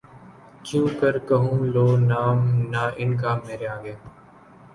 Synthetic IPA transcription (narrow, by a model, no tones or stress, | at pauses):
t͡ʃũːkəɾkəɦũːloːnaːmnaːʔɪnkaːmeːɾeaːɡeː